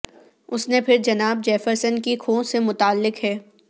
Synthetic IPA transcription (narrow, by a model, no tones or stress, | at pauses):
ʊsnepʰɪɾd͡ʒɐnaːb̚d͡ʒɛːfəɾsənkikʰõːsemʊt̪aːlːɪkɦɛː